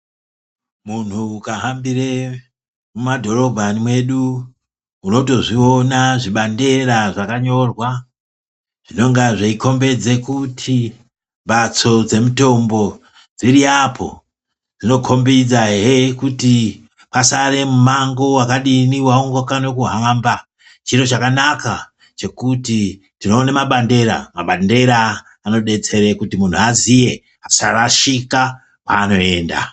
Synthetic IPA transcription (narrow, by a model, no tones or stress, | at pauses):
mun̤uːkaɦambire | mumadʱo̞ro̞bʱanimwe̞ɗu | uno̞to̞ʐionaʐiɓande̞raʐakaɲo̞rwa | ʐ̥ino̞ŋɡaʐeiko̞mbe̞d͡ze̞kutʰi | ɓat͡so̞d͡ze̞muto̞mbo̞ | d͡ziɾiapʰo̞̰ | d͡zino̞kʰo̞mbid͡zaɦekuti | pasare̞mumaŋɡo̞wakaɗiniwaoŋɡwakano̞kuɦamba | t͡ʃiɾo̞t͡ʃakanaka | t͡ʃe̞kuti | tino̞ːnemaɓande̞ɾa̰maɓande̞ɾaː | no̞ɗe̞t͡se̞ɾe̞kutimun̤uazije̞ | asaraʃika | pa̰ːno̞e̞ːnda̰